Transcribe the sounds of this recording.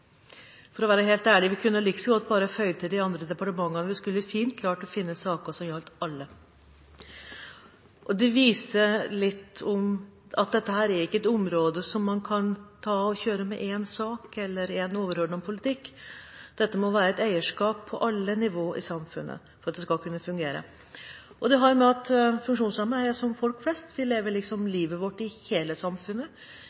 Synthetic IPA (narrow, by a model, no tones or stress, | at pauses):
fɔɾɔʋæːɾəɦeːlt̪æːɭɪʋɪkʰʉnːəɑlɪksɔɡɔɑt̪̚bɑːɾəfœʏt̪ʰəd̪ɪɑnd̪ɾəd̪ɛpɑʈəmɑŋːɑnəʋɪskʉlːfiːnt̪̚kʰlɑːʈɔfɪnːəsɑːkəʂɔmjɑlt̪ɑlːə | ʔɔd̪ɛʋiːsəlɪt̪ːɔmɑ̰t̪̚d̪ɛt̪ːəhæːɾæɾɪkːəɛt̪ʊmɾoːd̪əsɔmːɑnkʰɑnt̪ʰɑːɔçøːɾəmɛʔeːnsɑːkɛlːəɾɛnoːʋəɾhøːɖɳɔmpʰʊlɪt̪ɪkːd̪̥ɛt̪ːəmɔʋæːɾəɛt̪æɪəʂkɑːpʰːɔʔɑlːənɪʋoːʔɪsɑmfʉnːʔə̰ | fɔɾɑt̪̚d̪ɛskɑlkʰʉnːəfʉŋɡeːɾə̰ | ʔɔd̪ɛɦɑɾjʊmɛɑt̪fʉŋkʂuːnsɑmæsɔmfɔlkflɛst̪ʋɪleːʋəɭɪksɔmliːʋəʋɔʈːɪheːləsɑmfʉnːə